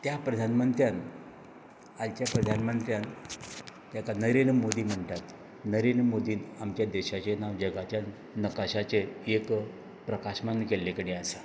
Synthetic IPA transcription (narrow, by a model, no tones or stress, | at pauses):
t̪japɾəd̪ʱanməɳt̪ɾjan | alt͡ɕjapɾəd̪ʱanmənt̪ɾjan | t̪jakanəɾenɾmod̪iːm̤əɳʈ̪at̪ | nəɾenɾmod̪iːnamt͡ɕjad̪eɕat͡ɕenaʋd͡ʑəɡat͡ɕja | nəkaɕat͡seːk | pɾəkaɕmanːkelːekəɽiasa